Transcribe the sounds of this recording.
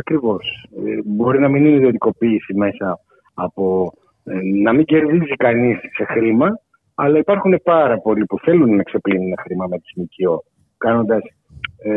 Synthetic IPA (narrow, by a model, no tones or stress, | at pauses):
ɐkɾivo̞sbo̞ɾinɐminineðio̞t̪iko̞piːsime̞sɐː | po̞ | nɐmiɲɟe̞ɾðizikɐnisːe̞xɾimɐ | ɐlɐipɐɾxune̞pɐɾɐpo̞lipuθe̞lunːɐkse̞plinunexɾimɐmet̪i̥zmicio̞ | kɐno̞nd̪ɐs